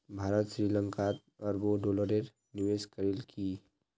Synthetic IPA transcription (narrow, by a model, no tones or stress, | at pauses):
bʱaːɾət̪ʃɾilə̃ŋkat̪ | ɔːɾboɖoːləɾeɾ | nɪʋeːskəɾelkʰi